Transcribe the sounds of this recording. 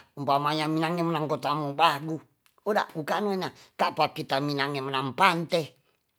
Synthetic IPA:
umpamaɲaminaŋemanaŋkot̪amubaɡu | oda̰ʔkukanuenakapat̪̚kit̪aminaŋemanampant̪e

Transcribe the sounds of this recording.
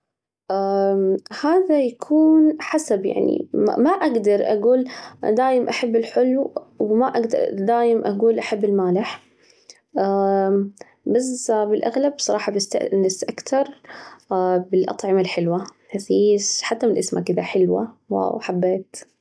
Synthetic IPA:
ʔamhaːðajakʰuːnħasabja̰ʕnḭma̰maʔaɡd̪ɑɾˤʔa̰ɡuːld̪aːjɪmʔaħabːɪlħʊlwwmaʔaɡd̪ɑ̰ɾˤd̪aːjɪmʔaɡuːlʔaħabːɪlmaːlɪħ | ʔa | basbɪlʔaɣlabsˤɑɾˤɑːħɑbɪst̪a̰ʔnɪsʔakt̪ɑɾˤabɪlʔɑ̰t̪ˤʕɪmalħɪlwakaθiːsħat̪ːamɪnʔɪsmʔakɪd̪aħɪlwa̰wa̰waħabːeːt̪

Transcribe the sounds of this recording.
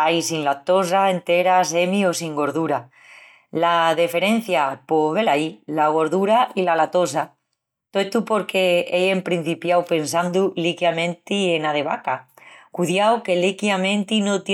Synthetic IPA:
ajsinlat̪o̞s̬aent̪e̞ɾasemiosiŋɡo̞ɾðuɾa | laðefe̞ɾẽ̞n̟θjapoβe̞lailaɣ̞o̞ɾðuɾailalat̪o̞s̬a | t̪oet̪upo̞ɾkʰeejempɾin̟θipjawpe̞ns̬and̪ulikjamẽnt̪ienað̞eβa̰kakuðjawke̞likjamẽnt̪inot̪j

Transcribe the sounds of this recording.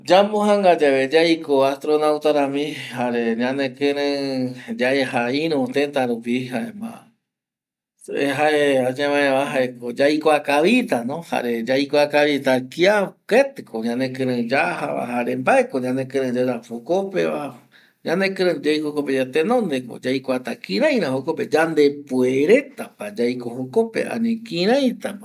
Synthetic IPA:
d͡ʒambõɦãŋɡad͡ʒaʋed͡ʒajkoast̪ɾonawt̪aɾãmĩhaɾeɲãnẽkɨ̃ɾɨ̃d͡ʒaeɦaiɾ̃ũt̪ẽt̪aɾupiɦaema̰ | ḛɦaead͡ʒẽmãeβaɦaekod͡ʒajkoakaʋit̪anõha̰ɾe̞d͡ʒajkoakaβit̪akiaket̪ɨkʰoɲãnekɨ̃ɾə̃d͡ʒahaa̰haɾembaekoɲãnd̪ẽkɨ̃ɾɨ̃d͡ʒet̪ahokopeβa | ɲãnẽkɨɾə̃d͡ʒajkokoped͡ʒat̪enõnd̪e̞ko̰d͡ʒajkʷat̪akĩɾãj̃ɾãhokoped͡ʒand̪e̞pueɾe̞t̪apad͡ʒajkohokopḛʔa̰ɲẽkĩɾãj̃t̪apa

